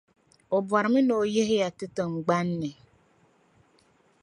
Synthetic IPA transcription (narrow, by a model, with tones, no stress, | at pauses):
ʊ˨bwa˨ɾɪ˨mɪ˦no˨je˦ɦe˦ja˨tʊ˦to˨ŋ͡m̩˨ɡ͡ba˦n̩˦ne˨